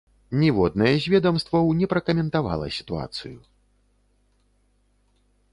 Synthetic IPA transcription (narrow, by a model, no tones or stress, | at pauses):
nʲɛvɔd̪̚nɐjɛzʲvʲɛd̪ɐmst̪vɐwnʲɛpɾɐkɐmʲɛnt̪ava̰lˠɐ̰sʲi̥t̪ua̰t̪sɨju